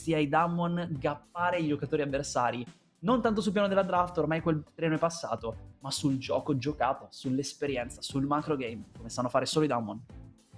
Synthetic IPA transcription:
siaid̪amːonɡapːaːɾeid͡ʒokat̪oːɾiavːersaːɾi | nont̪ant̪osulp̬jaːnod̪elad̪ɾaft̪ormajkwelt̪ɾɛːnoɛpasːa̰ːt̪omasuld͡ʒɔ̰ːkod͡ʒokaːt̪osulːespeɾjɛnt̪sasulmakɾoɡejmkomesanːofaːɾesoːloid̪amːon

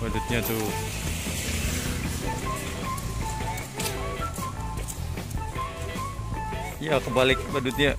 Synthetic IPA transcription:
badut̪̚ɲat̪u | jakəbalɪk̚wadut̪̚ɲa

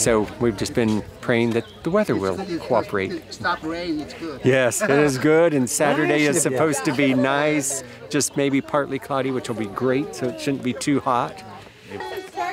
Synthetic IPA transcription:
soʊwivd͡ʒʌsb̥ɨ̃n̚pʰɹ̥eɪɪ̃ŋðɨt̪̚ðəwɛðə˞wɪ̰lˠkʰoʊɑpʰə˞eɪt̚ | jɛsɪɾɪzɡʊɾɨ̃nsæɾə˞deɪɨz̥sɨpʰoʊz̥tɨbinaɪs | d̥ʒ̥ʌs̚meɪbipʰɑɹʔˡlikʰl̥ɑɾiwɨt͡ʃl̩ˠbiɡɹeɪtsoʊɨtʃʊdⁿn̩b̥itʰʉhɑt̚

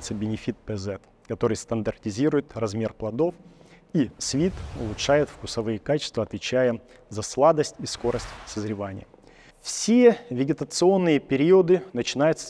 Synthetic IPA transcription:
t̪səbʲɪnʲɪfʲit̪̚pɛzɛt̪ | kɐt̪o̞ɾɨjst̪ənd̪ərtʲɪzʲiɾʊjɪt̪rɐzmʲe̞rplˠɐd̪o̞f | isvʲit̪ʊ̰lˠʊtʂajɪt̪fkʊsɐvɨjəkat͡ɕɪst̪vəɐt̪vʲɪt͡ɕæjə | zɐslˠad̪əsʲtʲisko̞ɾəsʲtʲsəzɾʲɪvanʲɪ̰jə | fsʲevʲɪɡʲɪt̪ət̪sɨo̞nːɨjəpʲɪɾʲiʊd̪ɨnət͡ɕɪnajʊt̪sə

